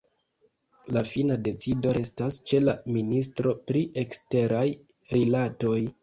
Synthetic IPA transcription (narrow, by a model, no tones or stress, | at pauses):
lafinade̞t͡sido̞ɾe̞stast͡ʃe̞laminis̬tɾo̞pɾiʔe̞kste̞ɾaj | ɾilato̞j